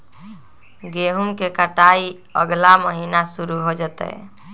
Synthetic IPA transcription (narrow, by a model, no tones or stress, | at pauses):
ɡeɦumkekəʈai | ə̰ɡlaməɦinasuɾuɦod͡ʒət̪ɛ̰